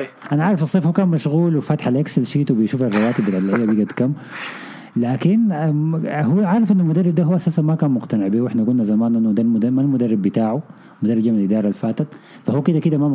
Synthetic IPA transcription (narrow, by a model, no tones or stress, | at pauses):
ʔanaʕɑʕɾˤɑfɑsˤːeːfhuːkaːnmaʃɣuːlwɪfat̪ħalʔaksalʃiːt̪wbijʃuːfɑrˤːɑwaːt̪ɪbɪlalːaʔijːabjiɡat̪kamː | laːkinahuʕɑɾˤɑfʔɪnːalmʊd̪ɑrˤːɪb̚d̪aɦuwːʔasaːsanmakaːnmʊqt̪anɪʕbiːwʔɪħnaɡʊnːazamaːnʔanːud̪almd̪amalmʊd̪arːɪbːɪt̪aːʕu | mʊd̪ɑrːɪbd͡ʒamnalʔɪd̪ɑːɾˤɑlfaːt̪at̪ | fahuːkɪd̪akid̪ama